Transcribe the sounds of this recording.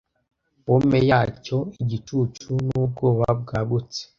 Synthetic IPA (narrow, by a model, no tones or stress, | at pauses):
bomejaːcoiɟitut͡ʃunuːb̚ɡoːβa̰b̚ɡaːɡut͡se̥